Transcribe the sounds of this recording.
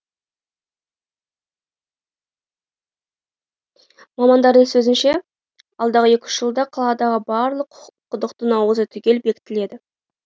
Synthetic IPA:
mɑmɑnd̪ɑɾd̪əŋsɵzɪnʃe̞ | ɑlˠd̪ɑʁəe̞kʲʏ̥ʃʒ̥əlˠd̪ɑqʰɑlˠɑd̪ɑʁəbɑɾlˠəqqʰːʊd̪əqt̪ənɑwəzət̪ʰʏkʲe̞lbe̞kʲɪ̥t̪ːɪle̞d̪ɪ

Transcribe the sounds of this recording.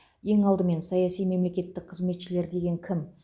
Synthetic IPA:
je̞ŋɑlˠd̪əme̞nsɑjɑsijme̞mle̞kʲe̞t̪ːɪk̚qʰəzme̞t̪ʃɪle̞ɾd̪e̞ɡʲe̞ŋkʲʰɪm

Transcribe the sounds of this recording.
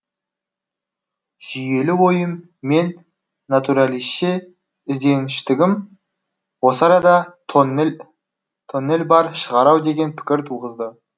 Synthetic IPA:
ʒ̥ije̞lɪwo̞jəmː | e̞nː | at̪uɾalˠisʃe | ɪzd̪e̞nɪʃt̪ɪɡʲɪm | wo̞sɑɾɑd̪ɑt̪ʰ | t̪ʰonːe̞lʲbɑɾʃəʁɑɾɑwd̪e̞ɡʲe̞npʰɪ̥kʲɪɾt̪ʰulˠʁəzd̪ə

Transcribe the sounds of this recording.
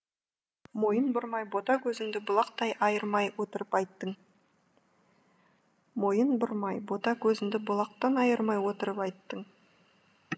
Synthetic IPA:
mo̞jənbʊɾmɑjbo̞t̪ɑkʲʰɵzɪŋd̪ɪbʊlˠɑq̚t̪ɑjʔɑjəɾmɑjwot̪əɾəpɑjt̪ːəɴ | mo̞jənbʊɾmɑjbo̞t̪ɑkʲʰɵzɪŋd̪ɪbʊlˠɑq̚t̪ɑnɑjəɾmɑjwo̞t̪əɾəpɑjt̪ːəɴ

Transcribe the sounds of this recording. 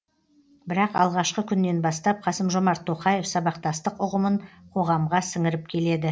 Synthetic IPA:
bɪɾɑqɑ̰lˠʁɑʃqəkʲʰʏnːe̞nbɑst̪ɑp̚qʰɑsəmʒo̞mɑɾt̪ʰːo̞qɑje̞fsɑbɑqt̪ɑst̪əqʊʁəməɴqʰo̞ʁɑmʁɑsɪŋɪɾɪp̚kʲʰe̞le̞d̪ɪ

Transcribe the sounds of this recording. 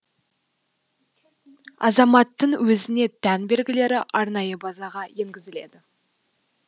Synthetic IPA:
ɑ̰zɑmɑt̪ːəɴwɵzɪne̞t̪ʰænbe̞lɡʲɪle̞ɾɪʔɑɾnɑjəbɑzɑʁɑje̞ŋɡʲɪzɪle̞d̪ɪ

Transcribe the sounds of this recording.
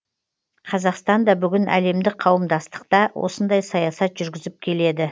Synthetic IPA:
qʰɑzɑqst̪ɑnd̪ɑbʏɡʲɪnʔæ̰le̞md̪ɪk̚qʰɑwəmd̪ɑst̪ə̥qt̪ɑwʔo̞̰sənd̪ɑjsɑjɑsɑt̪ʒ̥ʏɾɡʲɪzɪp̚kʲʰe̞le̞d̪ɪ

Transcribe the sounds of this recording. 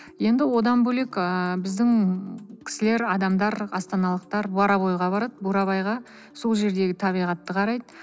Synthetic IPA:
je̞nd̪ɪwo̞d̪ɑnbɵle̞kəbɪzd̪ɪŋkʲʰɪ̥sɪle̞ɾɑd̪ɑmd̪ɑɾɑst̪ɑnɑlˠəq̚t̪ɑɾbɑɾɑβo̞jʁɑbɑɾɑd̪əbuɾɑβɑjʁɑ | so̞lˠʒe̞ɾd̪e̞ɡʲɪt̪ʰɑβijʁɑt̪ːəqʰɑɾɑjd̪ə

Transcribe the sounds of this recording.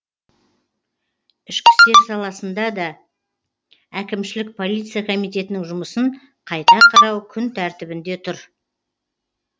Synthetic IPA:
ʏʃkʲɪ̥st̪e̞ɾsɑlˠɑsənd̪ɑd̪ɑ | ækʲɪmʃɪlɪk̚pʰo̞lʲˠit̪sɨjakʰo̞mijt̪e̞t̪ɪnɪŋʒʊməsəɴ | qʰɑjt̪ɑqʰɑɾɑwkʲʰʏnt̪ʰæɾt̪ɪbɪnd̪e̞t̪ʰʊɾ

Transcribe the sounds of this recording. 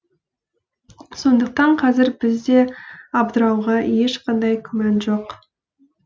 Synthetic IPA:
so̞nd̪əq̚t̪ɑɴqʰɑzɪɾbɪzd̪e̞ɑbd̪əɾɑwʁɑje̞ʃqɑnd̪ɑjkʲʰʏmænʒoq

